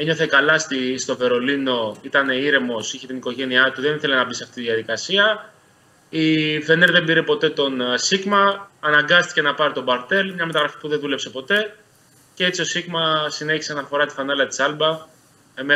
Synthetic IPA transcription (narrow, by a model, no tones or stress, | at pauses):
eɲo̞θe̞kɐlɐst̪ist̪o̞ve̞ɾo̞lino̞it̪ɐne̞iɾe̞mo̞siçe̞t̪iniko̞ʝe̞niɐt̪uðe̞niθe̞le̞nɐbisɐft̪it̪iðiɐðikɐsiɐ | ife̞neɾðe̞mbiɾepo̞t̪e̞t̪o̞nsiɣmɐːnɐŋɡɐst̪i̥ce̞nɐpɐɾit̪o̞bɐɾt̪e̞lmɲɐme̞t̪ɐɣɾɐfi̥puðeðule̞pse̞po̞t̪e̞ | cee̞t͡sio̞siɣmɐsine̞çi̥se̞ɐnɐfo̞ɾɐt̪i̥fɐnɐlɐt̪i̥sɐlbɐ | eme